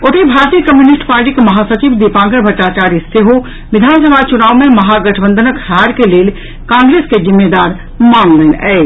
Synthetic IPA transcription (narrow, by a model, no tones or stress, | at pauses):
oʈ̪ibʱaːɾt̪iːjəkəmjuːnɪsʈpaːɾʈiːkemɐɦaːsət͡ʃiːʋd̪ipãːŋɡəɾbʱəʈːaːt͡ʃaːɾjəseɦo | ʋɪd̪ʱaːnsəbʱat͡ʃʊnaːʋmẽmɐɦaɡɐʈʰbə̃nd̪ʱənəkʰɾaːɾkeleːl | kãːŋɡɾeːskezɪmːed̪aːɾ | maːŋlənɛe